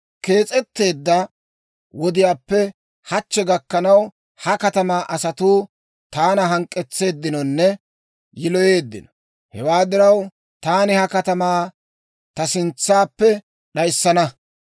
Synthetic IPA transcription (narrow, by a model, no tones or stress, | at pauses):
ke̞ːt͡sʼɛt̪ːe̞ːd̪ːɐ | wɔd̪ɪjaːpːɛ | hɐt͡ʃːɛɡɐkːɐnɐw | hɐkɐt̪ɐmaːʔɐsɐt̪uː | t̪aːnɐɦɐŋkʼːɛt͡sːe̞ːd̪ːɪnɔnːɛ | jɪlɔje̞ːd̪ːɪ̰nɔ | hɛwaːd̪ɪɾɐw | t̪aːnɪhɐkɐt̪ɐmaː | t̪ɐsɪnt͡sːaːpːɛ | ɗɐjsːɐnɐ